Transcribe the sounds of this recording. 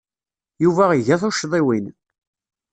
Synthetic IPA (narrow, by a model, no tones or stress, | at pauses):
juvæiʝæθʊʃðˤiwin